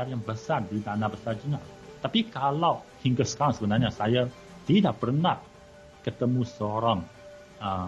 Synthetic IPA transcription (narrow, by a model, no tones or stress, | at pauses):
arjaŋbəsardit̪anabəsard͡ʒənaʔ | t̪apikalaw | hiŋɡəsə̥kaɾaŋsəbənarɲasaja | t̪idaʔpərnah | kət̪əmũsəoɾaŋ | ə